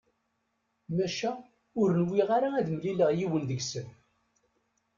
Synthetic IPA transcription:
mæʃæ | ʊɾənwiʁaɾaæðməliləʁjiwənðəɡsəm

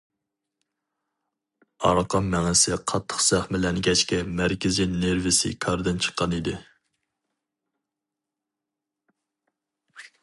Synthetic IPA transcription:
ɑ̰ɾqʰɑmːɛŋɪsɪqʰɑt̪ʰːə̥χsæχmɪlɛnɡʲɛt͡ʃkʲɛmæɾkʲɪzineɾvɪsɪ̰kʰɑɾd̪ɨnt͡ʃʰə̥qʰːɑnid̪ɪ

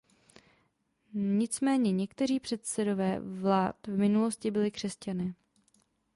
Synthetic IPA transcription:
ɲɪt͡smɛːɲɛɲɛkt̪ɛr̝iːpr̝̥ɛt̪sɛdo̞vɛːvlaːt̪vmɪnulo̞scɪbɪlɪkr̝̥ɛscanɪ

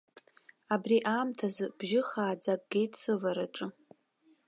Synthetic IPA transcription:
abriʔaːmtʰazbʒɪχaːd͡zakʼɡ̥ʲejtʰʼsɨvaɾaʈ͡ʂʼɨ

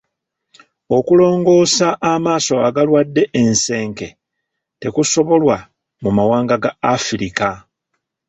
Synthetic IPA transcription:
o̞kulo̞ːŋɡo̞ːsaʔːmaːso̞aɡalwadːe̞ʔense̞ːŋke̞ | te̞kuso̞βo̞lwa | mumawaːŋɡaɡaːfiɾika

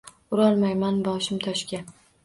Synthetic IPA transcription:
ʊɾɒlˠmajmanbɒʃɪmt̪ʰɒʃkʲa

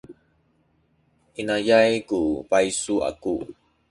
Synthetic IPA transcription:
ʔinajajkupaisua̰ku

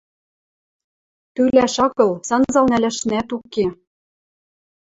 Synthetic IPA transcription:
t̪ylæʃɑɣɤ̆lsɑnzɑlnælæʃnæt̪uke

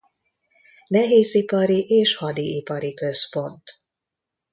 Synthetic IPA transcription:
nɛɦeːzipɒɾiʔeːʃhɒd̪iipɒɾikø̞spo̞nt̪

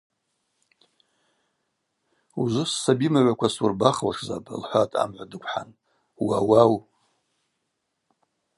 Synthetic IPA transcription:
uzʷʊsːabimaʕʷakʷʰasurbaχlaʂzapʼlħʷatʼa̰mʕʷadɨkʷʰʼħa̰n | wawaw

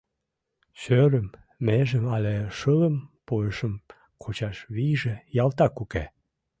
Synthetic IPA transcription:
ɕøɾə̆mː | eʒəmɑleʃələmpoəʃə̆m | kʰot͡ɕɑʃβiʒĕjɑlt̪ɑkuke

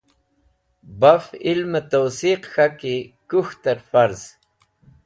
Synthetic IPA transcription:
bafilmət̪awsiqxakikuxt̪aɾfaɾz

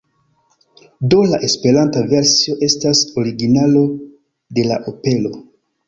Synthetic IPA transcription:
do̞laʔe̞spe̞ɾantaveɾsio̞ʔe̞staso̞ɾiɡinalo̞ | de̞la̰ʔope̞lo̞

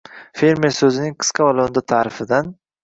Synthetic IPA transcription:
fe̞ɾmeɾsɵzɪnɪŋqʰɨ̥sqʰavalˠond̪at̪ʰaːɾɪfɪd̪an

